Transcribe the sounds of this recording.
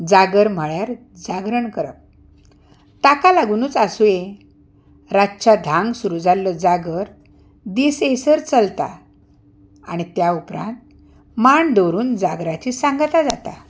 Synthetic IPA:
d͡zaɡəɾm̤əɭjaɾ | d͡zaɡɾəɳkəɾə̰p̚ | t̪akalaɡuːnuːt͡sasuje | ɾat͡ɕad̪ʱãŋɡsuɾud͡zalːəd͡zaɡəɾ | d̪iːsejsəɾt͡səlt̪a̰ | a̰ɽ̃it̪jaupɾã̰nt̪̚ | maɳd̪oɾuːnd͡zaɡɾat͡ɕisãŋɡt̪ad͡zat̪a̰

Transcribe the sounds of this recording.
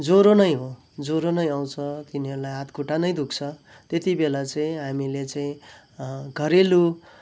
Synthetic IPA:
d͡zoɾonʌjɦo | d͡zoɾonʌjaw̃t͡sʰʌt̪inieɾulajɦat̪kuʈanʌjd̪ukt͡sʰʌ | t̪jet̪ibelat͡saĩɦamilet͡saĩ | ɡʱʌɾelu

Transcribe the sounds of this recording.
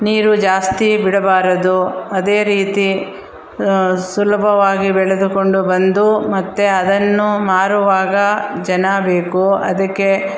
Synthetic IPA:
niːɾud͡ʒaːst̪ibiɽɐbaːɾɐd̪uɐd̪e̞ːɾiːt̪i | sulɐbʱɐʋaːɡibɛɭed̪uko̞ɳɖubɐnd̪umɐt̪ːeɐd̪ɐnːumaːɾuʋaːɡɐd͡ʒɐnɐbe̞ːkuɐ̰d̪ɐkːe̞

